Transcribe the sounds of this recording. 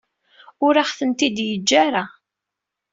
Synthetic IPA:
ʊɾaχθənt̪id̪jəd͡ʒːaɾa

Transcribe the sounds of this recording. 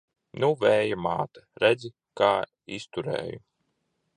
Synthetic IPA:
nuvɛːjamaːt̪ḁɾæd̪zi | kaː | ist̪uɾḛːju

